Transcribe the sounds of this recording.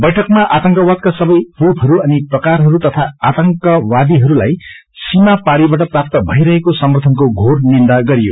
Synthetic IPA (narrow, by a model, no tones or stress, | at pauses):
bʌjʈʰʌkmaʔat̪ʌŋkʌwad̪̚kasʌbʌjpup̪ɦʌɾuʌniprʌkarɦʌɾut̪ʌt̪ʰaat̪ʌŋkʌwad̪iɦʌɾulaj | simapaɽibaʈʌprap̚t̪ʌbʱʌiɾʌɦekosʌmʌrt̪ʰʌnkoɡʱornind̪aɡʌɾijo